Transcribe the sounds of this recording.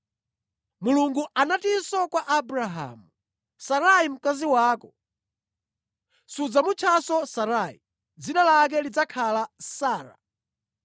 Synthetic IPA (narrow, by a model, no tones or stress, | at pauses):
muluŋɡuʔanatisɔkwaʔabɾaɦa̰mu | saɾaim̩kaziwaːkɔ | sud͡zamut͡ʃʰasɔsaɾaḭ | d͡zinalak̬ɛlid͡zakʰalasaːɾa̰